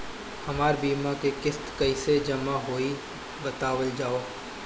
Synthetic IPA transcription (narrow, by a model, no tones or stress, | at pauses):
hɐmaːɾbiːmakekɪst̪kɐised͡ʒɐmaɦoːi | bɐt̪aːwəld͡ʒaːoː